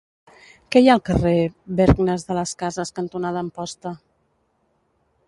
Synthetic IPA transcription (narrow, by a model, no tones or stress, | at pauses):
kɛjaəlˠkəreβɛɾɣnəzðələskazəskənt̪unaðəːmpɔst̪ə